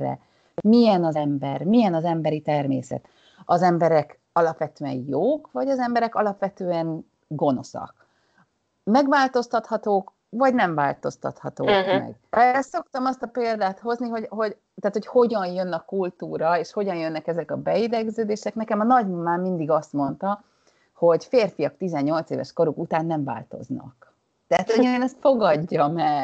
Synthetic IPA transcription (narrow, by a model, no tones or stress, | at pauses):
ɛ̰ | mijɛnɒzɛmbɛrmijɛnɒzɛmbɛɾit̪ɛrmḛːsɛ̰t̪ | ɒzɛmbɛɾɛk | ɒlɒpʋɛt̪øːɛ̰njoːkvɒɟɒzɛmbɛɾɛkɒlɒpʋɛt̪øːɛn | ɡo̞no̞̰sɒ̰k̚ | mɛɡʋaːlt̪o̞st̪ɒt̪hɒt̪oːk | vɒɟnɛɱvaːlt̪o̞st̪ɒ̰t̪hɒ̰t̪o̰ːkmɛ̰ɡɛso̞kt̪ɒmɒst̪ɒpeːld̪aːt̪ho̞zniɦo̞ɟɦo̞ɟ | t̪aːt̪ho̞cho̞ɟɒnjø̞nːɒkult̪uːɾɒeːʃho̞ɟɒnjønːɛkɛzɛkɒbɛid̪ɛɡzøːd̪eːʃɛknɛkɛmɒnɒɟnumaːmːind̪iɡɒst̪mo̞nt̪ɒ | ho̞ɟfeːrfijɒkt̪izɛɲːo̞lt̪sḛːvɛ̰ʃko̞ɾukut̪aːnːɛɱva̰ːlt̪o̞̰znɒ̰k | t̪ɛɦat̪oɲːnɛst̪fo̞ɡɒɟːɒmɛɡ